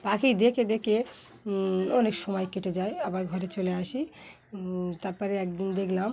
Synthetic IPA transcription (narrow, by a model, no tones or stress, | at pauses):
pakid̪eked̪eke | ɔnekʃɔmɔjkeʈed͡ʑajabaɾɡʱɔɾet͡ɕoleaʃi | t̪aɾpɔɾeɛk̚d̪ind̪ekʰlam